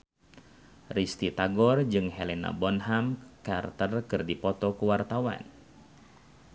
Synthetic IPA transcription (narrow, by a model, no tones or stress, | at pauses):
rist̪it̪aɡɔrd͡ʒɨŋɦɛlɛna̰bɔnɦamkart̪ərkɨrdipɔt̪ɔkuwart̪awa̰n